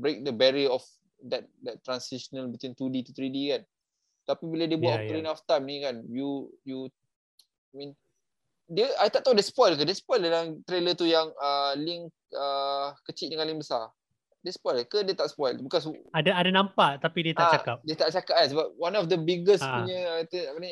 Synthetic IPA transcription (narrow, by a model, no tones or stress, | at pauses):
bɾek̚dəbɛɾiəɔf | dɛt̪̚dɛt̚t̪ːɾansiʃənəlbit̪wint̪udet̪ut̪ɾidikan | t̪apibiladebuatt̪əɾinaft̪ajmnikanjuju | amĩn | dəajt̪aʔ̚t̪awdespɔjlk̬ədespɔjldalaŋt̪ɾelət̪ujaŋəliŋ | əkət͡ʃiʔdəŋãnlɪŋbəsa | diəsə̥pɔjlkədiət̪aʔsə̥pɔjlbikɔsadaadanãmpaʔt̪apidiət̪aat͡ʃakap̚diət̪aʔt͡ʃakap̚kansəbap̚wanɔfd̪əbiɡəsuɲəat̪əapənaɲ